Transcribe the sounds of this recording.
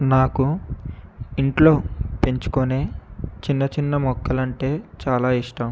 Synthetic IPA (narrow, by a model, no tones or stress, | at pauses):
naːku | iɳʈlo̞ːpe̞ɲt͡ʃu̥kone̞ːt͡ʃinːɐt͡ʃinːɐmɔkːɐlɐɳʈe̞ːt͡ʃaːlaːiʂʈɐm